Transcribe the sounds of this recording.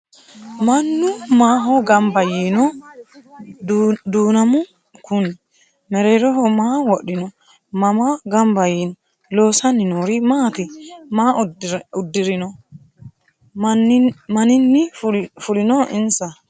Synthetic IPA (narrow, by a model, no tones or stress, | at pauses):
mɐnːumaːɦɔɡɐmbɐjinɔ | d̪uːnɐmʊ | kʊn | mɛɾɛɾɔɦɔmaːwɔɗɪnɔ | mamaɡɐmbɐjinɔ | loːsɐnːɪnɔɾimaːt̪imaːʊdːɪɾɪnɔ | nmɐnɪnːɪfʊlɪnɔɪnsa